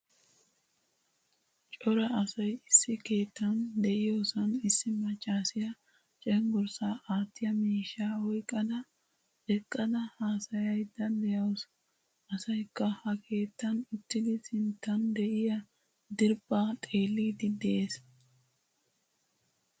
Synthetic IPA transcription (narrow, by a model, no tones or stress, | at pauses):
t͡ʃʼɔɾɐɐsɐjɪsːɪke̞ːt̪ːɐnd̪ɛʔɪjoːsɐnɪsːɪmɐt͡ʃʼːaːsɪjɐ | t͡ʃʼɛŋɡʊɾsaːʔaːt̪ːɪjɐmiːʃːaːhɔjkʼːɐd̪ɐ | ɛkʼːɐd̪ɐhaːsɐjɐjd̪ɐnd̪ɛjɐwɔs | ɐsɐjkːɐhɐkʰe̞ːt̪ːɐnɪt̪ːɪd̪ɪsɪnt̪ːɐnd̪ɛʔɪjɐ | d̪ɪɾbaːt̪ʼe̞ːlːiːd̪ɪd̪ɛʔeːs